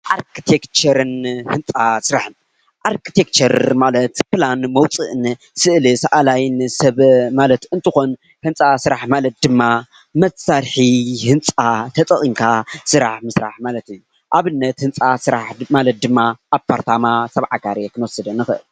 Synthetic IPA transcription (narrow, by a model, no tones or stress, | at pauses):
ʔaɾkʰit̪ʰekt͡ʃɐɾɨnhɨnt͡sʼasɨɾaħɨn | ʔaɾkʰit̪ʰek̚t͡ʃʰɐɾmalɐt̪planmɐwt͡sʼɨʔɨn | sɨʔlɨsaʔalajɨnsɐβmalɐt̪ɨnt̪ʰɨxo̞n | hɨnt͡sʼasɨɾaħmalɐt̪̚d̪ɨmːa | mɐtsaɾħihɨnt͡sʼat̪ʰɐt̪ʼɐχʼimkʰasɨɾaħmɨsɾa̰ħmalɐt̪ɨjːu | ʔaβɨnːɐt̪hɨnt͡sʼasɨɾaħmalɐt̪̚d̪ɨmːaʔaβpʰaɾt̪ʰamasɐβʕaɡaɾekʰɨnwɔsɨd̪ɐnːɨxɨʔɨl